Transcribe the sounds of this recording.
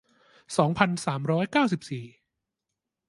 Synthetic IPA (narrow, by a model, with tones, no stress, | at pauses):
sɔː˩˦ŋpʰa˧nsaː˩˦mɾɔː˦˥jkaː˥˩ws̬i˨˩p̚siː˨˩